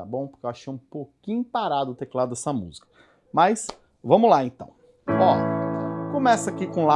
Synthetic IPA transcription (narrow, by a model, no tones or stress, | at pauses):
a̰bõw̃pʊɾkewaʃejɐũpokĩɲʊpaɾad̪ʊt̪eklad̪d̪ɛsɐmṵzikɐ̥ | majs | vɐ̃mʊlaẽt̪ɐ̰̃w̃ | ɔ | kõmɛsɐakikõla